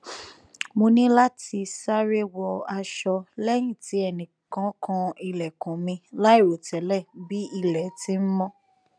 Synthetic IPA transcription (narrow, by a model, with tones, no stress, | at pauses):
mo˧nĩ˦la˦ti˧sa˦ɾe˦wɔ˧a˧ʃɔ˧lɛ˦j̃ĩ˦˨ti˨˦ɛ˧˨nĩ˨kã˨˦kʰã˧i˧lɛ˨kũ˨mĩ˧la˦i˦˨ɾo˨tɛ˨˦lɛ˦˨bi˦i˦˨lɛ˨ti˦m̩˦mɔ̃˦